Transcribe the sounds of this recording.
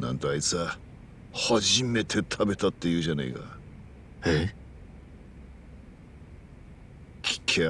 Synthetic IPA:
nã̰nt̪oait͡sa | haʑime̞t̪ʰe̞t̪ʰabe̞t̪at̪ːe̞jɯ̟ːʑana̰ika̰ | e | kʲʰi̥kʰe

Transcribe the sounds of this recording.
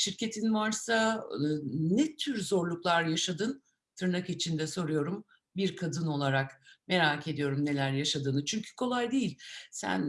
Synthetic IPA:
ʃiɾcʰe̞t̪ʰinvaɾsa | nɛt̪ʰyɾzo̞ɾlˠuklˠaɾjaʃad̪ɯn | t̪ʰɯɾnakit͡ʃʰind̪ɛso̞ɾujo̞ɾum | biɾkʰad̪ɯno̞lˠaɾakme̞ɾaːkʰe̞d̪ijo̞ɾumne̞lʲæɾjaʃad̪ɯːnɯt͡ʃʰyɲcʰy̥kʰo̞lˠajd̪ejilʲsæ̰n

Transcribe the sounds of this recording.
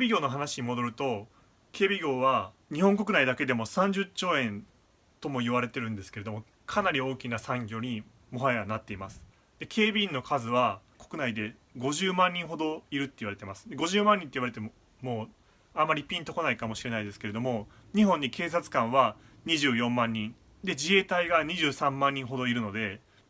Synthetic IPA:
ebʲiɡʲo̞ːno̞ɦanaɕiɲ̟imo̞d̪o̞ɾɯ̟t̪o̞ | kʰe̞ːbʲiɡʲo̞ːβa | ɲ̟ihõŋk̬o̞k̬ɯ̟naid̪ake̞d̪e̞mo̞sãɲ̟d͡ʑɨt͡ɕːo̞ːẽ̞n | t̪o̞mo̞iβaɾe̞t̪e̞ɾɯ̟̃nd̪e̞sɨ̥ke̞ɾe̞d̪o̞mo̞ | kʰanaɾʲio̞ːkʲinasãŋɡʲo̞ːɲ̟i | mo̞ɦaeanat̪ːe̞imasɨ̥ | d̪̥e̞kʰe̞ːbʲĩːnːo̞kʰazɨβakokɯ̟naid̪e̞ | ɡo̞ʑɨːmãɲ̟ːĩɰ̃ɦo̞d̪o̞iɾɯ̟t̪ːeiβaɾe̞t̪e̞masɨ̥d̪e̞ɡo̞ʑɨːmãɲ̟ːĩnt̪eiβaɾet̪emo | moː | amːaɾʲipʲĩnt̪o̞ko̞naikamo̞ɕiɾe̞naid̪esɨ̥kee̞d̪o̞mo̞ | ɲ̟iɦõ̞ɲ̟ːike̞ːs̬at͡sɨ̥kãɰ̃βa | ɲ̟iʑɨːjõ̞mːãɲ̟ːĩn | d̪e̞d͡ʑie̞ːt̪aiɡaɲ̟iʑɨːsãmːãɲ̟ːĩɰ̃ɦo̞d̪o̞iɾɯ̟no̞d̪e̞

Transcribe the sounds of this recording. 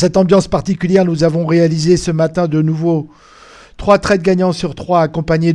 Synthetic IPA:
sɛt̪ɑ̃bjɑ̃spaʁt̪ikʲyljɛʁnuzavɔ̃ʁealizesəmat̪ɛ̃d̪ənuvo | t̪χwat̪χɛt̪̚ɡaɲɑ̃syʁt̪χwaːkɔ̃paɲe

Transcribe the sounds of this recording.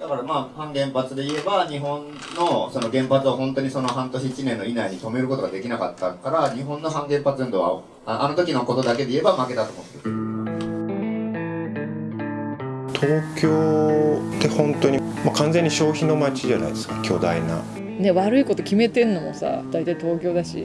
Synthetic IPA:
d̪̥akaɾamaːhãŋɡẽ̞mpat͡sɨd̪e̞ie̞baɲ̟iɦõ̞nːo̞so̞noɡẽ̞mpat͡sɨβaɦõ̞nt̪o̞ɲ̟iso̞no̞ɦãnt̪o̞ɕiːt͡ɕinẽ̞nːo̞inaiɲ̟it̪o̞me̞ɾɯ̟kot̪o̞ɡad̪e̞kʲinakat̪ːaŋkaɾaɲ̟iɦõ̞nːo̞ɦãŋɡẽ̞mpat͡sɨẽnd̪oβa̰ | anʔano̞t̪o̞kʲino̞ko̞t̪o̞d̪ake̞d̪e̞ie̞bamake̞t̪at̪o̞moɯ̃nd̪esɨ | t̪ʰo̞ːkʲoː | t̪e̞hõ̞nt̪oɲ̟i | makãnzẽ̞ɲ̟ːiɕo̞ːçino̞mat͡ɕiʑana̰id̪esɨ̥kakʲʰo̞ːd̪aina̰ | ne̞βaɾɯ̟iko̞t̪o̞kʲime̞t̪e̞nːo̞mo̞̰sa̰d̪̥ait̪ait̪o̞ːkʲo̞ːd̪aɕḭ

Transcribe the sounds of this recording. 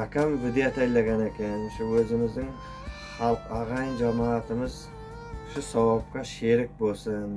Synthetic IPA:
akʲʰamvɪd̪eat̪ʰɑjlɑɡʲɑnekʲennʃɪwɵzɪmɪzd̪ɪŋ | χɑlˠqɑʁɑjənʒɑmɑːt̪əməz | ʃɪsɑwɑp̚qɑʃeɾɪk̚bo̞lˠsən

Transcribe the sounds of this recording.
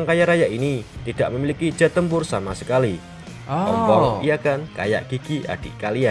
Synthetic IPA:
ŋkajaɾajaʔinit̪id̥aʔməmiliki̥d͡ʒat̪əmpʊrsamasəkali | ɔ̰mpɔŋijakanka̰ja̰ʔɡ̥iɡ̥iʔa̰d̥ḭʔkalia

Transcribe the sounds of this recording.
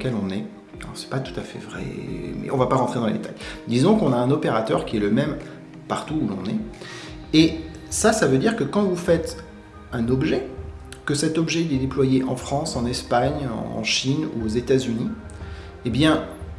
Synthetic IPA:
kʲɛlɔ̃nɛ | alɔ̰ʁsɛ̥pat̪u̥t̪afɛ̰vʁɛ̰mɛ̰ʔɔ̃vapaʁɑ̃t̪χed̪ɑ̃lḛd̪et̪ajd̪izɔ̃kɔ̃naɛ̃nɔpeʁat̪œ̰ʁkʲiɛləmɛm | paʁt̪uːlɔ̰̃nɛ | e | sasavød̪iʁkəkɑ̃vufɛt̪ | ɛ̃nɔbʒɛkəsɛt̪ɔbʒɛd̪ɛd̪eplwajeʔɑ̃fχɑ̃sɑ̃nɛspaɲɑ̰̃ʃinṵozet̪azyni | ebjɛ̃

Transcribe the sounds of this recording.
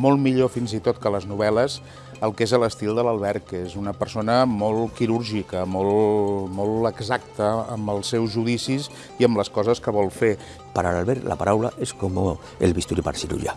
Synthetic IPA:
molˠmiʎofinzit̪ot̪kələznuβ̞ɛləz | əlˠkezələst̪ilˠd̪ələlˠβ̞ɛɾkezunəpəɾsonəmolˠkiɾuɾʒikəmolˠmolˠəɡzak̚t̪əːmbəlˠsːɛwzʒuðisis | iəmləskɔzəskəβɔlˠfe | pəɾalalβɛɾt̪lʔa̰paɾawla̰ʔeskomo | elβist̪uɾipa̰ɾsiɾṵʎa̰

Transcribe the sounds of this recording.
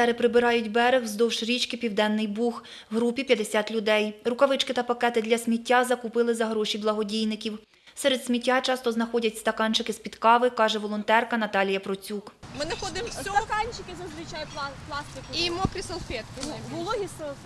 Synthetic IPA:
st̪ɛɾɪpɾɪbɪɾɑjʊtʲbɛɾɪxzd̪ɔwʃɾʲit͡ʃkɪpʲiwd̪ɛnːɪjbux | ɦɾupʲipʲjɐd̪esʲɑt̪lʲʊd̪ɛjrʊkɐʋɪt͡ʃkɪt̪ɐpɐkɛt̪ɪd̪lʲɐsʲmʲitʲːazɐkupɪlˠɪzɐɦɾɔʃʲiblˠɐɦɔdʲijnɪkʲiw | sɛɾed̪̥sʲmʲitʲːat͡ʃɑst̪ɔznɐxɔdʲɐtʲst̪ɐkɑnt͡ʃɪkɪspʲid̪kɑʋɪkɑʒɛʋɔlˠɔnt̪ɛrkɐnɐt̪ɑlʲijɐpɾɔt͡sʲukmɪnɐxɔd̪ɪmsɐkɑnʲt͡ʃɪkɪzɐzʋɪt͡ʃajʊplˠɑst̪ɪkimɔkɾʲɪsɐlˠfʲɛt̪klˠis

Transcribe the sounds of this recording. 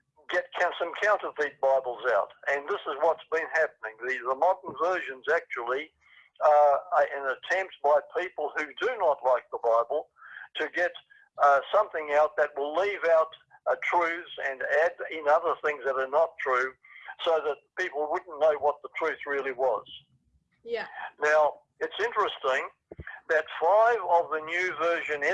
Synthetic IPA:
ɡɛt̚kʰsʌ̃mkʰãʊ̃ntəvit̚b̥aɪbl̩ˠzaʊɾʔɨ̃nðɪsəzwʌtsb̥ɨ̃nɦæp̚ənɪ̃ŋðɨðəmɑɾn̩vɜ˞ʒɨ̃nzæk̚t͡ʃul̩ˠi | ɨ̃nɨtʰɛ̃mp̚t̚b̥aɪpʰipl̩ˠhʉdɨnətˡlaɪk̚ðəbaɪbl̩ˠtʰɨɡɛɾ | sʌ̃mθɪ̃ŋaʊt̪̚ðɨt̚wəlivaʊt̪̚ | tʰɹ̥ʉθz̥ɨ̃nædɪ̃nʌðə˞θɪ̃ŋzðɨɾə˞nətʰɹ̥ʉ | soʊðət̚pipl̩ˠwʊdⁿn̩noʊwʌt̪̚ðətʰɹ̥ʉθɹɪlˠiwʌz̥ | naʊ | ɨtsɪ̃nt͡ʃɹ̥ɨstɪ̃ŋ | ðɨtfaɪvʌvðɨnjʉvɜ˞ʒɨ̃nɪ

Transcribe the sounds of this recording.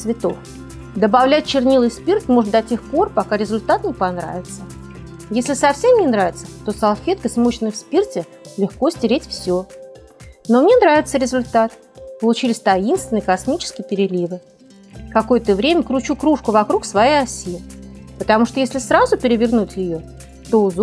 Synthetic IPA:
svʲɪt̪o̞̰f | d̪əbɐvlʲæt̚ʲt͡ɕɪrnʲilˠɨjspʲirt̪ʲmo̞ʐɨt̪̚d̪ɐtʲe̞xpo̞rpɐkaɾʲɪzʊlʲt̪at̪nʲɪpɐnɾa̰vʲɪt̪sə | jesʲlʲɪsɐfsʲe̞mnʲɪnɾavʲɪt̪sət̪o̞sɐlˠfʲe̞t̪̚kəsʲmoɕɪnəjfspʲirtʲɪ | lʲɪxko̞sʲtʲɪɾʲetʲfsʲɵ | no̞mnʲe̞nɾavʲɪt̪səɾʲɪzʊlʲt̪at̪ | pəlˠʊt͡ɕilʲɪsʲt̪ɐinst̪vʲɪnɨjkɐsmʲit͡ɕɪ̥skʲɪjɪpʲɪɾʲɪlʲivɨ | kɐko̞jət̪əvɾʲemʲəkɾʊt͡ɕukɾuʂkʊvɐkɾuksvɐjejɐsʲipət̪ɐmuʂt̪ojesʲlʲɪsɾazʊpʲɪɾʲɪvʲɪrnutʲjɪjo̞ | t̪o̞ʊz

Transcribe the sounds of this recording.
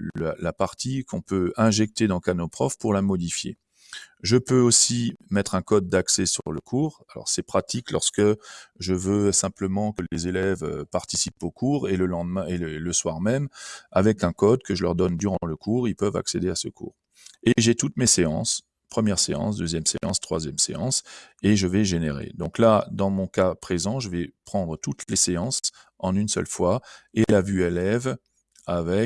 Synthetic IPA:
llalapaʁt̪ikʰɔ̃pøɛ̃ʒɛk̚t̪ed̪ɑ̃kanopχɔfpuʁlamɔd̪ifjḛ | ʒəpøosimɛt̪χɛ̃kɔd̪̚ːaksɛsyʁləkʰuːʁalɔ̰ʁsɛpχat̪ʰiklɔ̰ʁskəʒəvøsɛ̃pləmɑ̃kəlezelɛvø̰paʁt̪isipokʰuːʁeləlɑ̃d̪mɛ̃eləswaʁmɛmavɛkɛ̃kɔd̪̚kəʒəlœʁd̪ɔnd̪yʁɑ̃ləkuʁilpœva̰ksed̪easə̰kṵːʁ | eʒet̪ut̪meseɑ̰̃s | pχəmjɛʁseɑ̰̃sd̪øzjɛmsḛɑ̰̃st̪χwa̰zjɛmsḛɑ̃seʒəvɛʒeneʁḛd̪ɔ̃klad̪ɑ̃mɔ̃kapχezɑ̃ʒəvɛpχɑ̃d̪ʁət̪ut̪leseɑ̃s | ɑ̃nynsœ̰lfwaelavyelɛv | avɛk

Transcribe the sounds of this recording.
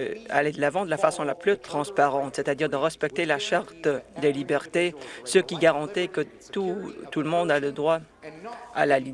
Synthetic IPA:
a̰led̪əlavɑ̃d̪əlafasɔ̃laplyt̪χɑ̃spaʁɑ̃t̪set̪ad̪iʁd̪əʁɛspɛk̚t̪elaʃaʁt̪d̪elibɛʁt̪esəkʲiɡaʁɑ̃t̪ɛkət̪ut̪uləmɔ̃d̪aləd̪ʁwa | a̰lali

